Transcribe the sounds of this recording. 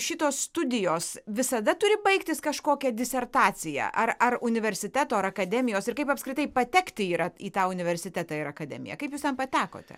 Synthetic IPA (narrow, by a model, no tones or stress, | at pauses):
ʃʲɪt̪oːsst̪ʊd̪ʲɪjoːsʋʲɪsɐd̪ɐt̪ʊɾʲɪbɐɪkt̪ʲɪskɐʃkoːkʲɛd̪ʲɪsʲɛrt̪ɑːt͡s̪ʲɪjæ̰ʔɐrɐrʊnʲɪʋʲɛɾʲsʲɪt̪ʲæːt̪oːɐɾɐkɐd̪ʲɛmʲɪjoːsɪrkɐɪpɐpskɾʲɪt̪ɐɪpɐt̪ʲɛkt̪ʲɪiːɾɐiːt̪ɑːʊnʲɪʋʲɛɾʲsʲɪt̪ʲæːt̪ɑːɪɾɐkɐd̪ʲɛ̰mʲɪ̰jɛ̰kɐɪpjuːst̪ʲɛnpɐt̪ʲæːko̰ːt̪ʲɛ̰